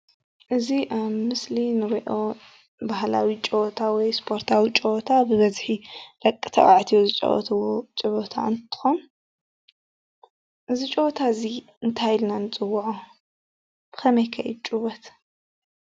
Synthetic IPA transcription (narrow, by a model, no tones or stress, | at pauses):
ʔɨziʔaβmɨslinɨɾiʔo̞ | baɦla̰wit͡ʃʼɨwɔt̪ʰawɔjspʰo̞ɾt̪ʰawit͡ʃʼowɔt̪ʰabɨβɐzħilɐkʼːɨ̥t̪ʰɐʔʼaʕt̪ʰijozɨt͡ʃʼɐ̰wɔ̰t̪ʰɨwot͡ʃʼɨβot̪ʰa̰ɨnt̪ʰɨ̥xon | ʔɨzit͡ʃʼɨβɔt̪ʰaɨzi | ɨnt̪ʰajɪlnanɨt͡sʼɨwːʊʕu | b̥ɨ̥xɐmɐjkʰɐʔɛd̪̚t͡ʃʼɨβɔt̪